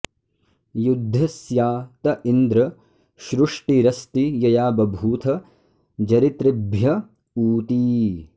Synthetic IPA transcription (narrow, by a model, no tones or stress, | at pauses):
jud̪ʱːɐsjaːt̪ɐʔind̪ɾɐ | ʃɾuʂʈiɾɐst̪ijɐjaːbɐbʱuːt̪ʰɐ | d͡ʒɐɾit̪ɾibʱjɐ | uːt̪iː